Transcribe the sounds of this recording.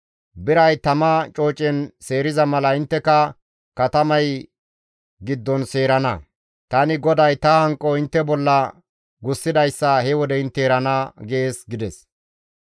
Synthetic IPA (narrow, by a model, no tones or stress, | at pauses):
bɪɾɐjt̪ɐmɐt͡ʃʼo̞ːt͡ʃʼɛnse̞ːɾɪzɐmɐlɐɪnt̪ːɛkɐ | kɐt̪ɐmɐj | ɡɪd̪ːɔnse̞ːɾɐnɐ | t̪ɐnɪɡɔd̪ɐjt̪ɐhɐŋkʼːɔɪnt̪ːɛbɔlːɐ | ɡʊsːɪd̪ɐjsːɐhɛwɔd̪ɛɪnt̪ːɛːɾɐnɐɡeeːsɡɪd̪ɛs